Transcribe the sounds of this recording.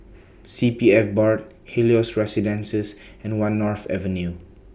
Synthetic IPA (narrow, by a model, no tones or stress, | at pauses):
sipiɛfbɔɹt̚ | hiliosɹɛsidɛ̃nsəsɛ̃nwãnːɔɹθɛ̰və̃nju